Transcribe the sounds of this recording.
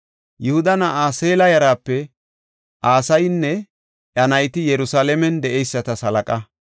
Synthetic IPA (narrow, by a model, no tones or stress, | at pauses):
jʊhʊd̪ɐnɐaːseːlɐjɐɾaːpːɛ | ʔaːsɐjnːɛ | ʔɐnɐjt̪ɪjɛɾʊsaːlɛmɛnd̪ɛʔɛjsːɐt̪ɐsɐlɐkʼɐ